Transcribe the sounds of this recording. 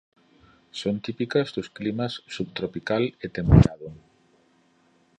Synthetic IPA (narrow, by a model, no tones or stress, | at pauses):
sont̪ipikɐzd̪ʊsklimasːuβt̪ɾopikalet̪empeɾaðʊ